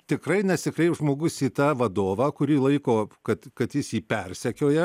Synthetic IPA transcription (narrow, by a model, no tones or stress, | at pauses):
t̪ʲɪkrɐɪnʲɛsʲɪkɾʲɛɪʒmoːɡʊsiːt̪ɑːʋɐd̪oːʋɑːkʊɾʲiːlˠɐɪkoːkɐt̪kɐt̪jɪsjiːpʲɛrʲsʲɛkʲoːjɛ